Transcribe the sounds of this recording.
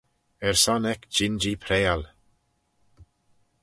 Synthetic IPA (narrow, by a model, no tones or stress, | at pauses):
ɛɹsɔnɛkd͡ʒɪnd͡ʒiːpʰɾeːal